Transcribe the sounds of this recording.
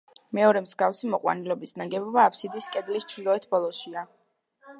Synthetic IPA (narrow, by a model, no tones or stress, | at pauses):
mɛɔɾɛmzɡafsimɔqʼwa̰nilɔbisnaɡɛbɔbaːpʰsid̪iːskʼɛd̪list͡ʃʰɾilˠɔɛt̪ʰbɔlˠɔʃia